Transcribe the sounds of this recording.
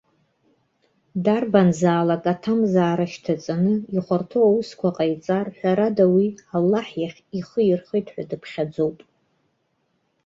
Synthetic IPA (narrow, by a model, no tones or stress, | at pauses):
darbanzaːlakʼatʰamzaːɾaʃtʰat͡sʼanɨiχʷartʰoawuskʷʰaqʼajt͡sʼarħʷᶣaɾadawialːaħjaχʲiχəɪrχəjtʼħʷᶣadɨpʰχʲad͡zo̞wpʼ